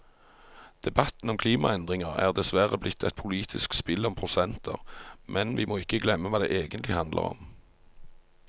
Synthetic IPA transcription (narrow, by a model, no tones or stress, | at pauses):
d̪̥ɛbɑt̪n̩ɔmkʰliːmɑ̰ɛnd̪ʁɪŋəʁæ̰ːʁd̪ɛsʋæʁəblɪt̪ʰːɛt̪̚pʰʊliːt̪ʰɪskspɪlɔmpʰʁʊsɛnt̪ʰə̰ʁmʔɛnʋɪmʔoːɪkːəɡlɛmːəʋɑːd̪ḛːʔeːɡənt̪lɪhɑnd̪lʔə̰ʁɔ̰m